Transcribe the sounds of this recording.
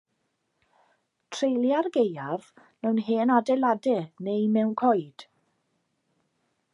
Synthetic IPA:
tʰrejlˠjarɡejav | mɛwnɦeːnadɛlˠadɛnejmɛwnkʰɔɨd̥

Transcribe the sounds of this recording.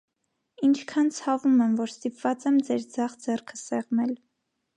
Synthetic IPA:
int͡ʃʰkʰɑnt͡sʰɑvumɛmvɔɾst̪ipvɑt͡sɛmd͡zɛɾd͡zɑχd͡zɛrkʰə̥sɛʁnɛl

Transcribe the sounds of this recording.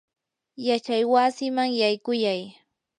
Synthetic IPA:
jat͡ʃajwasɪmaŋjajkʊjaj

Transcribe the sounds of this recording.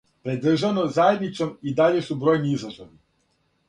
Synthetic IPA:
pɾed̪r̩ʒanozajed̪nit͡ʃsomid̪aʎe̞subɾo̞ːjniizlˠaʒoʋi

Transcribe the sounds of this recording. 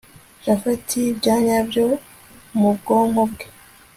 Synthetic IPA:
ʒafatʰibɟaːɲabjo | mubɡoːŋhobɡe

